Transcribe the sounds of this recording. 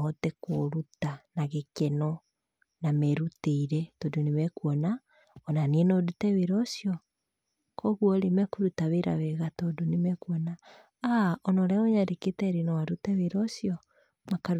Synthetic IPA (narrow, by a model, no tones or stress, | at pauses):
ɔtɛkoɾutanaɣekɛnɔ | nameɾuteiɾɛtodonemɛkuɔna | ɔnaniɛnodutɛβeɾɔsjɔ | kʰɔɣwɔɾemɛkuɾutaβeɾa̰βɛɣatodonemɛkuɔna | aɔnɔɾɛoɲaɾeketɛɾinɔwaɾutɛβeɾɔsjɔ | makaɾ